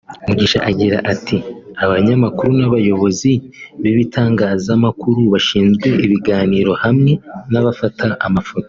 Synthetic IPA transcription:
umuɟiːʃaʔaɟiɾa̰ʔatʰiaβaɲamakuɾunaβajo̞βo̞ziβiβitʰaːŋɡaːzamakuɾuβaʃiːnzɡwe̞ʔiβiɡaːniːɾo̞hamŋe̞naβafatʰaʔamafoto

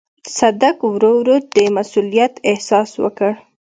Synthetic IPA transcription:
sad̪akwɾowɾod̪əmasulijat̪ɪhsɑswə̰kəɽ

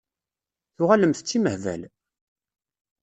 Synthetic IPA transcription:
θʊʁæləmθət͡sːiməhvæ̰l

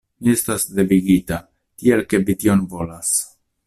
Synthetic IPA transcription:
nie̞stasde̞viɡita | tie̞lke̞vitio̞nvo̞las

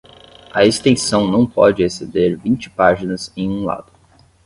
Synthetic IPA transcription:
ɐest̪ẽsɐ̃w̃nɐ̃w̃pɔd͡ʒɪesed̪eɾvĩnt͡ʃɪ̥paʒinɐzẽj̃ũla̰d̪ʊ

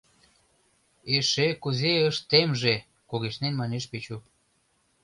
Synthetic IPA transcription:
eʃekuzeəʃt̪emʒe | kuɣeʃnenmɑneʃpet͡ɕu

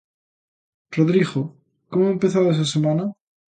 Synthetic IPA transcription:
roðɾiɣo | komoempeθaðoes̬asemana

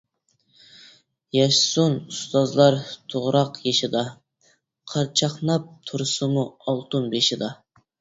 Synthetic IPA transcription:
jɛʃsunust̪ɑzlˠɑɾt̪ʰoʁɾɑqjeʃɪd̪ɑ | qʰɑɾt͡ʃʰɑχnɑp̚t̪ʰuɾsɨmuɑlˠt̪ʰunbeʃɪd̪ɑ

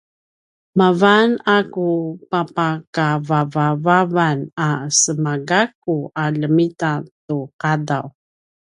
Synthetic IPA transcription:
mavanakupapakavavavavanasəmaɡakuʔaɮəmitatuqadaw

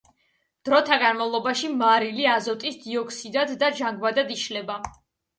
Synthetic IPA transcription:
d̪̥ɾɔt̪ʰaɡanmavlˠɔbaʃimaɾiliazɔt̪ʼisd̪iɔkʰsid̪ad̪ːad͡ʒaŋɡwad̪ad̪iʃlɛba

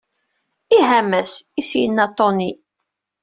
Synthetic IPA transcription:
iɦæmæsisjənːɑt̪ːoni

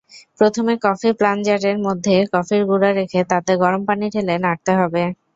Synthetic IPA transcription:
pɾot̪ʰomekɔfipland͡ʑaʈeɾmod̪ʱːekɔfiɾɡuɾaɾekʰet̪at̪eɡɔɾompaniʈʰelenaʈ̚t̪eɦɔbe

